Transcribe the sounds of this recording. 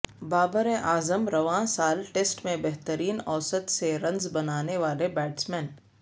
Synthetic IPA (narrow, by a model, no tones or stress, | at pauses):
baːbəɾeʔaːzəmɾɐʋãːsaːlʈeːsʈmẽbɛɦt̪əɾiːnɔːsət̪seɾɐ̃nzbɐnaːneʋaːlebɛːʈsmɛ̃ːn